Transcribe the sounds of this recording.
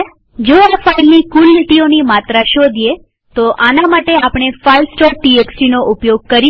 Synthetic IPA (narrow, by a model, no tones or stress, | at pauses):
d͡ʒoafailnikulːiʈionimat̪ɾaʃod̪je | t̪oʔanamaʈeapɽ̃efailsʈɔp̚ʈieksʈinoʔupjoɡ̚kəɾi